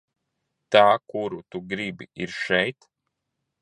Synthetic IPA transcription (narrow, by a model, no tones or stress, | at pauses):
t̪aːkuɾut̪uɡɾibḭiɾʃɛjt̪